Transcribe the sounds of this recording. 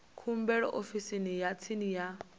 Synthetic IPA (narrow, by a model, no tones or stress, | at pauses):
kʰum̩bɛɺɔʔofisinijat͡sʰinija